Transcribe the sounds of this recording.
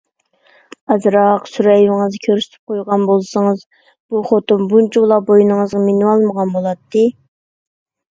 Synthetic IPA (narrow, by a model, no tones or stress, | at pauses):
ɑzɾɑqsuɾɛjvɪŋɨzkʲʰøɾsɪ̥t̪ʰɪ̥p̚qʰojʁɑnbolˠsɨŋɨz | b̥uχot̪umbunt͡ʃʰilˠɑbojinɨŋəzʁɑmenwɑlˠməʁɑnbolˠɑt̪ʰːɨ